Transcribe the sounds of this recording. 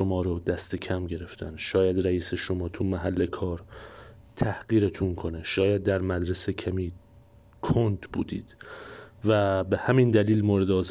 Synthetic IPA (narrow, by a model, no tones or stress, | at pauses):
omɒːɾod̪æst̪e̞cʰæmɟe̞ɾe̞ft̪ʰæ̰nʃɒːjæd̪ɾæiːse̞ʃo̞mɒːt̪ʰumæɦælːe̞kʰɒːɾ | t̪ʰæhɢiːɾet̪ʰuŋkʰo̞neʃɒːjæd̪̚ːæɾmæd̪ɾese̞cʰæmiː | kʰont̪b̥ṵːd̪ḭːd̪̥væbe̞hæmind̪æliːlmoːɾe̞d̪ɒːz